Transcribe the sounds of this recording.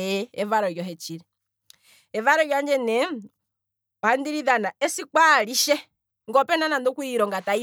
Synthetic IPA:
ɛɛvaɾɔjɔɦɛt͡ʃiɾɛ | ɛvaɾɔjaɲd͡ʒɛnɛ | ɔhandiɾiðanaɛsikwaliʃɛ | ŋɡɔpɛnanandɔkwuiɾɔŋɡatai

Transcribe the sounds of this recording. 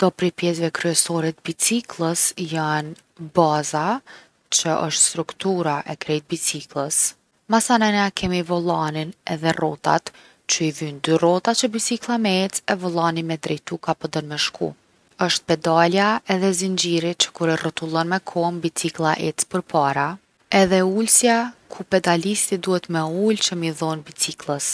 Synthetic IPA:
nd̪ɔpɾipjɛs̬vɛkɾyɛsɔɾɛt̪̚bit͡siklˠəsjan | baza | t͡ʃəʔəʃt̪st̪ɾukt̪uɾaʔɛkɾɛjt̪̚bit͡siklˠəs | masanɛnakʰɛmivɔlˠaninɛ̰ðɛrɔt̪a̰t̪ | t͡ʃəiðynd̪yrɔt̪at͡ʃəbit͡siklˠamɛɛt͡sɛvɔlˠanimɛd̪ɾɛjt̪ukapɔd̪əɾmɛʃkʰṵ | əʃt̪̚pɛd̪aljaɛðɛzind͡ʑiɾit͡ʃə̥kuɾɛrət̪ulˠɔnmɛkʰɔmbit͡siklˠaʔɛt͡spəɾpʰaɾa | ɛðɛulsjakʰupɛd̪alist̪id̪uhɛt̪mɛult͡ʃəmiðɔnbit͡siklˠəs

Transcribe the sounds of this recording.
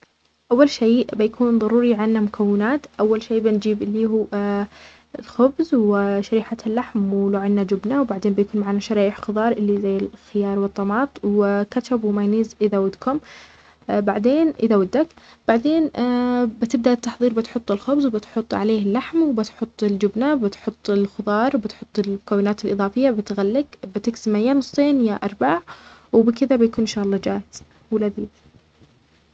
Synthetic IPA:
ʔawːalʃiːʔbɪjakʰuːnðˤɑɾuːɾiʕanːamʊkʰawːɪnaːt̪ʔawːalʃeːbɪnd͡ʒiːbɪlːiːɦuː | ɪlxʊbzwɪʃaɾiːħalːaħmwɪluːʕɪnːad͡ʒʊbnawbaʕd̪eːnbɪjkuːnmaʕanːaʃɑɾɑːʔɪħxʊðˤɑːɾˤʔɪlːizajːɪlxɪjɑːɾˤwɨt̪ˤːɑmɑːt̪ˤwɪkaʃabwɪmajniːzʔɪðawad̪kʊm | baʕd̪eːnʔɪðawad̪ːak | b̥aʕd̪eːnbɪt̪ɪb̚d̪aʔɪt̪ːɑħðˤiːɾbɪt̪ħʊt̪ˤːɪlxʊbzwbɪt̪ħʊt̪ˤːʕa̰leːhɪlːaħmwbɪt̪ħʊt̪ˤːɪld͡ʒʊbnabɪt̪ħʊt̪ˤːɪlxʊðˤɑːɾˤwbɪt̪ħʊt̪ˤːɪlmʊkawːɪnaːt̪ɪlʔɨðˤɑːfɪjːabɪt̪ɣalːɪɡbɪt̪ɪksɪmːahɪjːanʊsˤt̪ˤeːnjaʔɑɾˤbaːʕwɪbɪkɪðabɪjakuːnɪnʃaːʔɑlˤːɑd͡ʒaːhɪz̥ | wɪlaðiːd̪

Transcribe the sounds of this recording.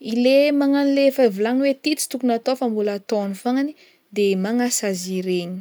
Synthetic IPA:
ilemaŋanilefavulanwet̪it͡si̥t̪ukunat̪ofambulat̪onifaŋani | d̪emaŋasaziɾeɲi̥

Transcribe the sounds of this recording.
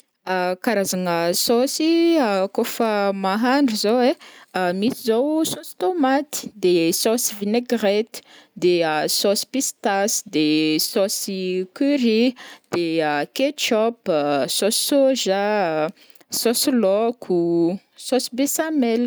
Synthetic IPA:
əkaɾazaŋəsosiəkofəmaɦaɳɖ͡ʐuzowemit̪izowsosi̥t̪omat̪i̥d̪esɔsivineɡret̪i̥d̪eəsɔsi̥pist̪asd̪esɔsikyɾid̪̥eəket͡ʃɔpsɔsi̥soʒa | sɔsilɔkʰu | sosibesamɛl

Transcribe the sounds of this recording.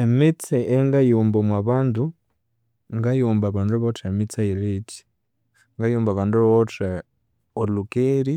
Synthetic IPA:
emit͡seʔeŋɡajuːmbomwaβaːndu | ŋɡajuːmbaβandoβotemit͡sailit͡ʃi̥ | ŋɡajuːmbaβaːndββote | olukeːɾi

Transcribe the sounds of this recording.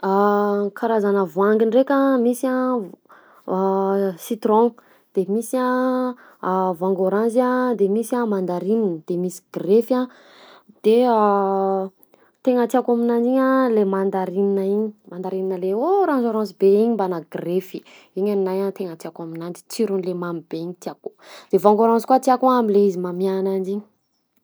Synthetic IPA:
akʰaɾazanəvwaŋɡinrekʲamisia | sit̪ɾõ | d̪̥emisia | vãŋɡoɾãnzad̪emisiamand̪aɾininəd̪̥emisi̥ɡrefa | d̪̥ea | t̪eŋət̪iakaminand͡ʒiɲalemand̪aɾininəiɲimand̪aɾininəleoɾãnzaɾãnzibeiɲimbanaɡrefi̥ | iɲannajat̪eŋət̪iakaminand͡ʒi̥t͡siɾunlemamib̥eiɲit̪iako̥d̪̥evãŋɡoɾãnzi̥kwat̪iakuamileizimamianand͡ʒiɲi̥

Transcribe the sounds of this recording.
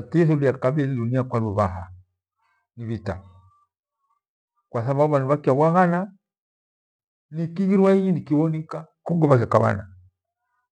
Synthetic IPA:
tisuliakabɛliduniakwaluβaɦa | niβita̰ | kwas̬aβabuβanuβakiaβwaɣana | nikiɣiɾwaiɲinikiβɔnikakɔŋɡɔβak̬iakaβa̰na

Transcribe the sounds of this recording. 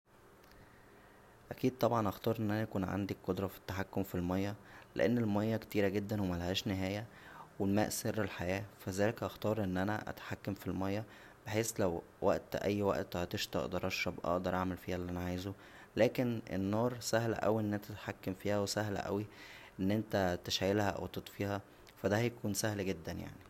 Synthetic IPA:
ʔækiːd̪̚t̪ˤɑbʕɑnʔɑxt̪ˤɑːɾʔenːʔænæækuːnʕa̰nd̪ikːod̪ɾˤɑfi̥t̪ːaħakːomfilmɑjːɑlḛʔenːelmɑjːɑkt̪iːɾæɡed̪ːænwemælhæːʃneɦæːjæ | welmæ̰ːʔserːelħajæːfæzæːlekʔɑxt̪ɑːɾˤʔenːʔænæ̰ʔæ̰t̪ħakːæmfilmɑjːɑ | b̥eħeːslæw | wʔæ̰ʔt̪ʔæ̰jːwæ̰ʔt̪hɑt̪eʃt̪ɑ̰ʔd̪ɑɾˤʔɑʃɾˤɑbʔɑ̰ʔd̪ɑɾˤʔaʕmelfiːhælːʔænæʕaːjzo | læːkenʔḛnːɑːɾˤsæhl̰ʔæ̰wiʔenːʔent̪æt̪ħakːæmfiːhæwesæhlæ̰ʔæ̰wiʔenːʔent̪æt̪eʃæjelhæʔæ̰wt̪et̪ˤfiːhæ | fæd̪æhæjækuːnsæhlɡed̪ːænja̰ʕni

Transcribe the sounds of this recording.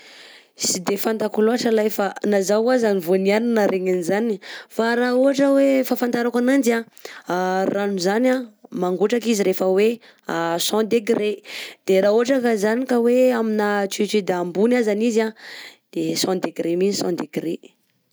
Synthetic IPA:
sid̪efand̪akuloaʈ͡ʂəlajfanazawazanivonianinaɾʔeɲanizanifaɾauɦaʈ͡ʂəwefafanaɾakanand͡ʒa | ranuzanamaŋɡuʈ͡ʂakiziɾefəwe | asɔ̃d̪eɡred̪̥eɾauɦaʈ͡ʂakazanikəweaminat͡sit͡ʃid̪ambunazanizad̪̥esɔ̃d̪eɡɾeminisɔ̰̃d̪eɡɾe

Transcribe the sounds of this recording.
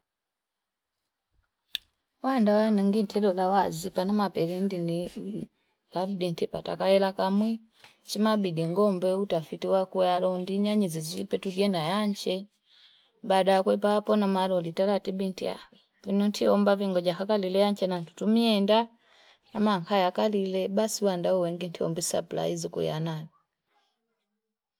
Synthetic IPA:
wandawanaŋɡintʰɛlɔlawazipanamapɛɾɛndini | kavidintipata̰kaɛlakamwi | t͡ʃimabidiŋɡɔmbɛutafitiwakuɛalɔndiɲaɲiziziipɛtuɡiɛnajaɲt͡ʃɛ | badakwɛpaːpɔnamalɔlitalatibintḭa̰ | vinɔntʰiɔmbaviŋɡɔɟakakalilɛjaɲt͡ʃɛnantu̥tumiɛnda | amaŋkajakalilɛbasiwandauwɛŋɡin̩tʰiɔ̰mbisa̰pla̰izikṵja̰nani

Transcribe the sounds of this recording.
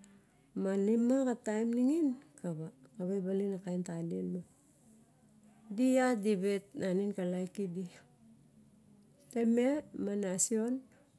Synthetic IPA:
malimakatajmniŋinkaβakaβajbalinakajntalienma | diadibetnaninkalajkidi | tememanasion

